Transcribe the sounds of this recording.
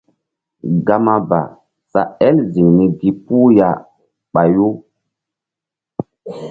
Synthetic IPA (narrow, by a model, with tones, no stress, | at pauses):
ɡa˨ma˦ba̰˨ | sa˨ɛ˦lzi˨ŋni˨ɡi˨pu˦ja˨ | ɓa˨jo˦